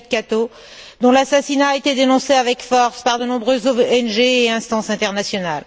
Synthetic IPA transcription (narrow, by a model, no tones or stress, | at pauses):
d̪̚kat̪o | d̪ɔ̃lasasinaːet̪ed̪enɔ̃seavɛkfɔʁspaʁd̪ənɔ̃bʁøzoɛnʒeːɛ̃st̪ɑ̃sɛ̃t̪ɛʁnasjɔnal